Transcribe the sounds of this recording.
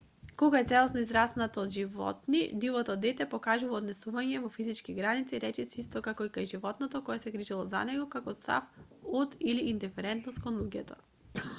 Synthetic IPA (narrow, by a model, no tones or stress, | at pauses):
kɔɡaɛt̪sɛlˠɔsnɔizɾasnat̪ɔod̪ʒivɔ̰t̪nḭd̪ivɔt̪ɔd̪ɛt̪ɛpɔkaʒuvaːd̪nɛsuvaɲɛvɔfizit͡ʃkiɡɾanit̪siɾɛt͡ʃɛsist̪ɔkakɔikajʒivɔt̪nɔt̪ɔkɔjɛsɛɡɾiʒilˠɔza̰nɛɡɔkakɔst̪ɾa̰fod̪iliʔːnd̪ɛfɛɾɛnt̪nost̪̚konlˠuɟɛt̪ɔ̰